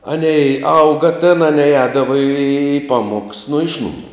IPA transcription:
ˈɑːnʲɛɪ ˈɐʊɡɐ tʲeːn ɐˈnʲɛɪ ˈɛːdɐʋɐ iː ˈpɑːmuɔks nʊ ˈɪʃ nʊmuː

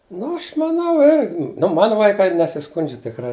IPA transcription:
ˈnʊ ˈɐʃ mɐˈnɐʊ ɪr nʊ ˈmɑːnʊ ʋɐɪˈkɐɪ nʲɛsʲɪˈskʊnʲd͡ʒʲɛ tʲɪkˈrɐɪ

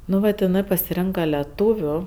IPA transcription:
ˈnʊ ʋɐt ɪˈnɜ pɐsʲɪˈrʲɛŋkɐ lʲɛˈtuːʋʲʊ

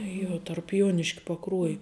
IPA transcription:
ˈjuɔ tɐrp ˈjuɔnʲɪʃʲkʲɛ pɐˈkruɔjɪ

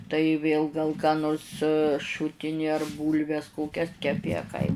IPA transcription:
tɐɪ ˈʋʲeːlˠ ɡɐlˠ kɑː ˈnoːrs ˈʃʊtʲɪnʲɪ ɐr ˈbuːlʲʋʲɛs ˈkoːkʲɛs kʲɛˈpʲɪ ɐ kɐɪ

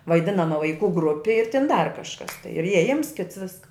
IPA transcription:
ʋɐɪˈdʲɪnɐ nuɔ ʋɐɪˈkuː ˈɡrʊpʲɪ ɪr tʲɪn dɐr kɐʃˈkɐs ɪr iɛˈjɪms kʲɪts ˈʋʲɪskɐ

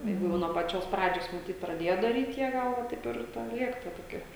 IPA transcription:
ˈjɛɪɡʊ ˈjɛʊ nuɔ pɐˈt͡ʃʲoːs ˈprɑːd͡ʒʲoːs mɐˈtʲiːt prɐˈdʲeːjɛ dɐrʲiːtʲ ˈjiɛ ˈɡɐlˠ ˈʋɐ ˈtɐɪp ɪr ˈtʲɛn ˈlʲiɛk tɐ toːˈkʲiɛ

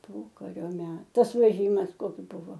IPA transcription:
ˈpoːkɐrʲoː ˈmʲɛt ˈtɐs ʋʲɛˈʒʲiːmɐs ˈkoːks ˈbʊʋoː

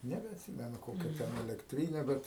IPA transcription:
nʲɛbʲɛɐtʲˈsʲiːmʲɛnʊ ˈkoːkʲɛ ˈtʲɛn ɛlʲɛkˈtʲrʲiːnʲɛ ˈbʲɛt

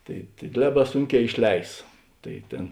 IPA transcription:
ˈtɐɪ tɐɪ ˈlʲæːˌbɑː ˈsʊŋʲˌkʲɛː ɪʃʲˈlʲɛɪs ˈtɐɪ ˈtʲeːn

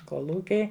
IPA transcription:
koːˈlˠuːkʲɛɪ

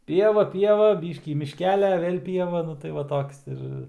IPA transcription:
ˈpʲiɛʋɐ ˈpʲiɛʋɐ ˈbʲiːʃʲkʲiː mʲɪʃʲˈkʲæːlʲɛ ˈʋʲeːlʲ ˈpʲiɛʋɐ ˈnʊ tɐɪ ˈʋɐ ˈtoːks ɪr

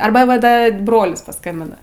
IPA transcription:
ˈɐrbɐ ˈʋɐ ˈdɐ ˈbroːlʲɪs pɐˈskɐmʲbʲɪnɐ

